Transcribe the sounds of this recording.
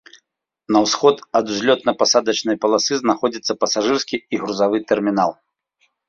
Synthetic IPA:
nɐwsxɔt̪ɐd̪uzʲlʲɔt̪nɐpasad̪ɐt͡ʃnɐjpɐlˠasɨznaxɔd͡zʲit̪sːɐpɐsaʐɨrskʲiːɣɾuzavɨt̪ɛrmʲinalˠ

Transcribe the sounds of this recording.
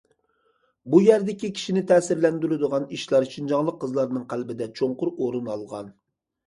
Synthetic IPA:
bujæɾd̪ɪkʲikʲʰi̥ʃinɪt̪ʰɛːsɪɾlɛnd̪yɾɪd̪əʁɑniʃlˠɑɾʃind͡ʒɑŋlˠəqːəzlˠɑɾnɨŋqʰælbɪd̪ɛt͡ʃʰoŋqʊɾoɾunɑlˠʁɑ̰n

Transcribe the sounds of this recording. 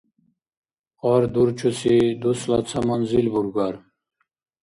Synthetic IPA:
ɑːɾd̪uɾt͡ɕʰusid̪uslɑt͡sʰɐmanzilbuɾɡɑɾ

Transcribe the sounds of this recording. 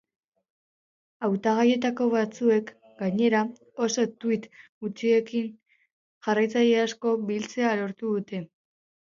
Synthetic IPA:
awt̪aɣ̞aje̞t̪ako̞βat͡sue̞k | ɡaɲe̞ɾa | o̞so̞t̪uit̪ɡut͡sie̞kin | ʝarajt͡saʎeasko̞βilt͡se̞alo̞ɾt̪uðut̪e̞

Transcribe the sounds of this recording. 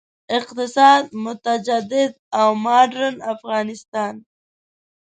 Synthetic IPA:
ɪqt̪ɪsɑːd̪̚mʊt̪ad͡ʒad̪ɪd̪̚awmɑɖɾənafɣɑːnɪst̪ɑːn

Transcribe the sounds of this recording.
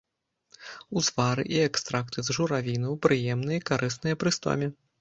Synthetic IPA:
uzvaɾɨ̰ʔiɛkst̪ɾakt̪ɨzʐuɾavʲinɐwpɾɨjɛmnɨjɐikaɾʔɨsnɨjɐpɾɨst̪ɔ̰mʲi

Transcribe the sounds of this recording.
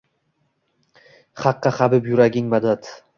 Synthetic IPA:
χɑqːɑχabɪpjʊɾaɡʲɪŋmad̪at̪

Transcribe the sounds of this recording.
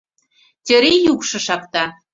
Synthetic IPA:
tʲø̆ɾejukʃɤ̆ʃɑkt̪ɑ

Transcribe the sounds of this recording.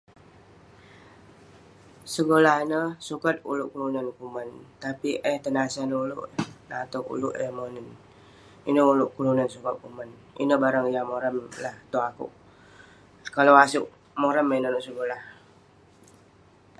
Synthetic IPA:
səɡolahnəsukat̪̚ṵlʊʔkulunankumant̪apiʔəht̪ənasanulʊ̰ʔnat̪oṵluʔɛhmonən | inəulʊʔkulunansukat̪̚kuman | ḭnəbaɾaŋjamoɾəmlaht̪oakṵʔ | kalawasuʔ | moɾəmːəinanuʔsəɡolah

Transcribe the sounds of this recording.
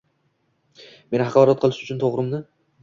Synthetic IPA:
me̞nhɑqʰɒlˠɒɾɒt̪̚qʰɨlˠɪʃʊt͡ʃʰʊnt̪ʰoʁɾɪmd̪ɪ

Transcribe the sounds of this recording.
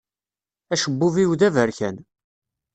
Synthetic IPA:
æʃəbːʊviwðævəɾçæn

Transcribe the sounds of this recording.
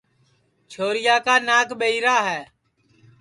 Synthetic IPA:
t͡ʃʰoːɾɪjaːkaːnaːkɓəiːɾaːɦɛː

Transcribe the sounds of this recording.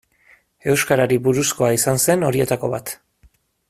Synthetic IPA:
e̞wskaɾaɾiβuɾusko̞aisanse̞no̞ɾie̞t̪ako̞βat̪

